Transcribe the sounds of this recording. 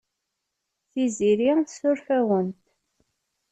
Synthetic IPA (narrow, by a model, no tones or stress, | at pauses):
θiziɾiθsʊɾfæwənt̪